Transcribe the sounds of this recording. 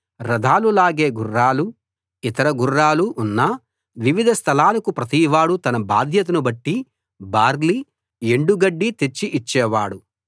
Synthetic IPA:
ɾɐd̪ʱaːlulaːɡeːɡurːaːlu | it̪ɐɾɐɡurːaːluʔːnːɐ | ʋiʋid̪ʱɐst̪ʰɐlaːlɐkupɾɐt̪iːʋaːɽut̪ɐnɐba̰ːd̪ʱjɐt̪̬ɐnubɐʈːi | baːɾli | e̞ɳɖuɡɐɖːit̪et͡ʃːiʔit͡ʃːɛːʋaːɽu

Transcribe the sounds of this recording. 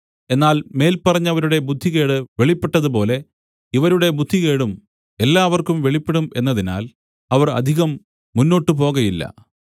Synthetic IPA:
e̞nːaːlme̞ːlpɐrɐɲːɐʋɐɾuɽe̞bud̪ʱːike̞ːɽɨʋeɭipːe̞ʈːɐðupo̞ːle̞ | iʋɐɾuɽe̞bud̪ʱːiɣe̞ːɽum | e̞lːaːʋɐrkumʋeɭipːeɽume̞̰nːɐðina̰ːl | ɐʋɐrɐ̰d̪ʱiɣɐmː | unːo̞ːʈːɨp̬o̞ːɣɐjilːɐ̰

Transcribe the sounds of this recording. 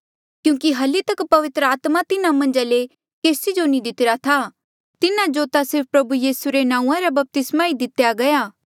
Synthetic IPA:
kjũːkiɦɐlit̪ɐkpɐʋɪt̪ɾəaːt̪mat̪ɪnãmɐ̃nd͡ʒale | keːsid͡ʒonĩd̪ɪt̪ɪɾat̪ʰa | t̪ɪnãd͡ʒoːt̪asɪɾppɾɐbujiːsuɾenãːũãɾabɐp̚t̪ɪsmaid̪ɪt̪jaɡɐjaː

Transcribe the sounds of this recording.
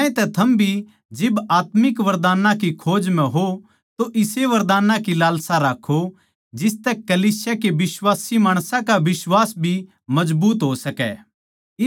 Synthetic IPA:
ẽt̪ɛt̪ʰɐmbʱi | d͡ʒɪbaːt̪mɪkʋɐɾd̪aːnãkikʰoːd͡ʒmɛ̃ɦo | t̪oʔɪseʋɐɾd̪aːnãkilaːlsaɾaːkʰːo | d͡ʒɪst̪ɛkɐliːsɪjakeʋɪswaːsimaːɽ̃sãkaʋɪswaːsbʱi | mɐd͡ʒbuːt̪ɦosɐkɛ̰

